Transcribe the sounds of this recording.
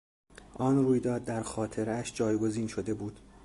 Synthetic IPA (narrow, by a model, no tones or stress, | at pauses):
ʔɒːnruːjd̪ɒːd̪ːæɾxɒːt̪ʰe̞ɾæʃd͡ʒɒːjɡo̞ziːnʃo̞d̪e̞buːd̪̥